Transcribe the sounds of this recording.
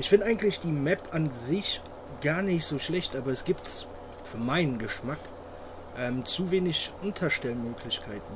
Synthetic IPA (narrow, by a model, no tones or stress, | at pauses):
ʔɪçfɪndəʔaɪɡŋ̩tlɪçd̥iːmɛpʰanzɪç | ɡ̥aːɐnɪçtz̥oːʃlɛçtʔaːbɐɛsɡ̥iːp̚ts | fyːɐmaɪnənɡəʃmak | ʔɛːmt͡suveːnɪçʔʊntʰɐʃtɛlmøːkʰlɪçkʰaɪtn̩